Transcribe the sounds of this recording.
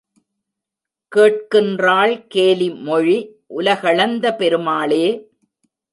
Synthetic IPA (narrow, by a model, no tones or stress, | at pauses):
keːʈ̚kɪndraːlkeːlimɔɻiʔʊlɐɣɐɭɐnd̪ɐpɛɾɯmaːleː